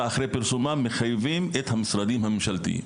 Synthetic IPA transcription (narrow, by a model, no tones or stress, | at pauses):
aːxɾepɪɾsumaːmixɐjʋiːmet̪ʰhɐmsɾɐd̪iːmɦɐmʃɐlt̪ḭː